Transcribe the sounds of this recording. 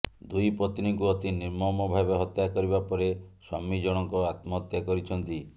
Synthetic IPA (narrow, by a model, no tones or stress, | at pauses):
d̪ujpɾɔt̪iniŋkuɔt̪iniɾmɔmɔbʱabeɦɔt̪jakɔɾibapɔɾeswa̰mid͡ʒɔɽ̃ɔŋkɔat̪mɔɦɔt̪jakɔɾit͡ʃʰɔnt̪i